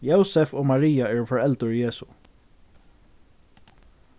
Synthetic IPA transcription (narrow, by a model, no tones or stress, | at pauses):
joʊsɛfoːmaɹiːaɛːɹfɔɹɛlt̪əɹjeːsʊ